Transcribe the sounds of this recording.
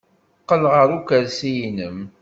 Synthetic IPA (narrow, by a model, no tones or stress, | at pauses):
qːəlʁəɾukəɾsijinəm